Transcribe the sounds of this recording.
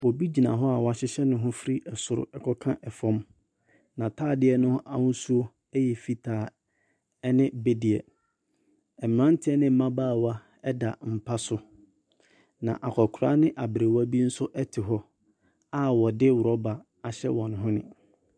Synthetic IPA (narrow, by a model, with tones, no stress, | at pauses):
wɔ˨bi˦d͡ʑi˨nã˨ɦɔ˦a˨wɔ˨a˨ɕɪ˦ɕɛ˦nʊ̃˦ɦʊ̃˦fɾi˦ɛ˨sʊ˨ɾʊ̰˦ɛ˨kʰɔ˦kʰã˦ʔɛ˨fɔ̃˦m | nã˨tʰaː˦˨dɪ˦ɛ˦nʊ̃˦a˨hʊ̃˦su˦o˦ | ɛ˦jɛ˨fi˦tʰaː˨ | ɛ˦nɪ̃˦be˦di˨ɛ̰˨ | ɛ˨m˨ã˦n˦tʰɪ˦ɛ˦nɪ̃˦m̩˨˦mã˦baː˦˨wa˦ | ɛ˦da˨m̩˨pʰa˦sʊ˦ | nã̰˨ʔa˨kʰɔ˨kʰɾaː˦nɪ̃˦ʔa˨bɾe˨wa˦bi˦n̩˦sʊ˦ʔɛ˦tʰɪ˨ɦɔ˦ | a˦wɔ˨dɪ˦wʊ˨ɾɔ˦ba˨ | a˨ɕɛ̰˦wɔ̃˨ñ˨ɦʊ̃˦nɪ̃˨